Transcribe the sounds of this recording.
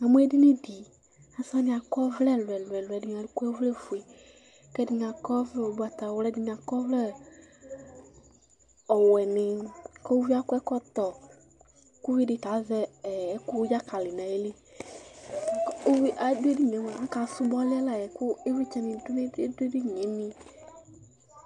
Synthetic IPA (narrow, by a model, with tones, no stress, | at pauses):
a˨mu˦ɛ˦dɪ˦ne˦di˨ | a˨˦sã˦nɪ̃˨a˨kɔ˦vlɛ˦˨lʊ˨ɛ˨lwɛ˨lwɛ˨dɪ˨ɲã˨lʊ˨˦ku˦ɛ˦vlɛ˦fu˨e˨ | kɛ˦dɪ˨ɲã˨kɔ˦vlɛ˦o˨ba˨t̪a˨wlɛ˦dɪ˦ɲ˨a˨kɔ˦vlɛ˦ | ɔ˨wɛ˨nɪ˨kɛ˦wu˦vi˦a˦kʊ˦ɛ˦kɔ˦t̪ɔ˨ | ku˦vi˦dɪ˧ta˨˦zɛ˦˨˦ku˦d͡ʒa˦ka˨lɪ˨nã˨e˦li˦˨˦ | ko˦wi˦ʔa˨˦du˦e˦di˦ɲ˨ẽ˨˦ŋ˨ã˨ã˦ka˨˦su˦bɔ˦la˦la˨jɛ˨kʊ˦e˦wi˦t͡ʃa˧nĩ˨du˦nẽ˦de˦de˦di˦ɲɛ˨˦nĩ˧